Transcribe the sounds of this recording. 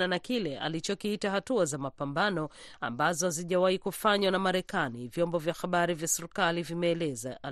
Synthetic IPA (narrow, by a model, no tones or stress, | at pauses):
nanakilɛʔa̰lit͡ʃɔkiitahatuazamapambanɔa̰mbazɔziʄawaikufaɲwanamaɾɛkanivjɔmbɔvjaxaɓaɾivjasɛɾkalivimɛːlɛzaa